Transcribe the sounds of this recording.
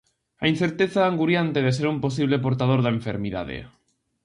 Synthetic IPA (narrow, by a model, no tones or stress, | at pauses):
ain̟θeɾt̪eθaːŋɡuɾjant̪eðes̬eɾumposiβ̞lepoɾt̪að̞oɾðaeɱfeɾmiða̰ðḛ